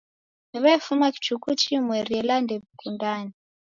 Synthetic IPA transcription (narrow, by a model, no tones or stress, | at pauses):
iβaifumaki̥t͡ʃukut͡ʃimweɾiɛlandɛβikundaːni